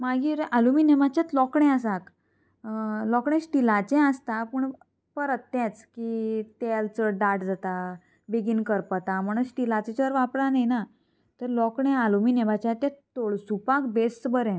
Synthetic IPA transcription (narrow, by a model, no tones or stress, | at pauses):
maɡiːɾaluminɛʋat͡ɕjat̪lɔkɳɛ̃əsak | lɔkɳ̃ɛ̃sʈilat͡ɕɛ̃əst̪apəɳ | pəɾət̪ːɛ̃t͡skit̪ɛlt͡səɖaʈd͡zat̪a | biɡinkəɾpət̪am̤əɽ̃usʈilat͡sɛt͡ɕəɾʋapɽanajna | t̪əɾlɔkɳɛ̃aluminɛʋat͡ɕat̪ɛ̃t̪oɭsupakbesbəɾɛ̃